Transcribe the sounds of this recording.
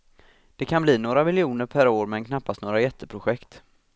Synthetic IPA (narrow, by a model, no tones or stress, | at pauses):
d̪̥ɛkʰanbliːnoːɾamɪljuːnəɾpʰæɾoːɾmɛnkʰnapːast̪noːɾajɛt̪ʰːəpʰɾʊɧɛkt̪